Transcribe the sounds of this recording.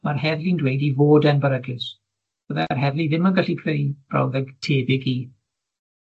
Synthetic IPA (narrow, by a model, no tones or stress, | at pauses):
marhɛðlindwejdivoːdənbəɾəɡɪs | b̥əðarɦɛðliðɪmanɡaɬipʰrejb̥ra̰wðɛɡtʰeːbɪɡiː